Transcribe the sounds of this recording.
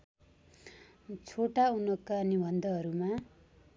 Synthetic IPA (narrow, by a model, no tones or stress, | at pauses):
t͡sʰoʈaunʌkanibʱʌnd̪ʱʌʌɾuma